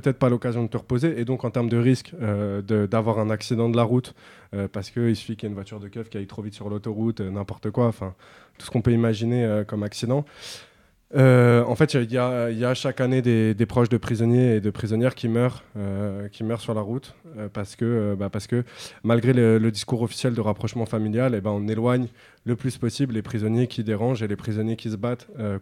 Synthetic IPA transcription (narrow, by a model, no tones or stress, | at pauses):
pət̪ɛt̪χpalɔkazjɔ̃d̪ət̪əʁəpozeʔːd̪ɔ̃kɑ̃t̪ɛʁməd̪əʁiskød̪əd̪avwaʁɛ̃naksid̪ɑ̃d̪əlaʁut̪ | øpaʁsə̥kəilsy̥fikljaynvwat̪yʁd̪əkʲœvkʲiayt̪χovit̪syʁlot̪oʁut̪ønɛ̃pɔʁt̪əkwaɑ̃fɛ̃ | t̪u̥sə̥kɔ̃pøimaʒineøkɔmaksid̪ɑ̃ | øɑ̰̃fɛt̪iljailjaʃakaned̪ed̪epχɔʃd̪əpχizɔnjeːd̪əpχizɔnjɛʁkʲimœʁøkʲimœʁsyʁlaʁut̪øpaʁsə̥kəøbapaʁsə̥kəmalɡʁelələd̪iskuʁɔfi̥sjɛld̪əʁapχɔʃmɑ̃familjalebɛ̃ɔ̃nelwaɲ | ləplyspɔsibllepχizɔnjekʲʰid̪eʁɑ̃ʒelepχizɔnjekʲisəbat̪ø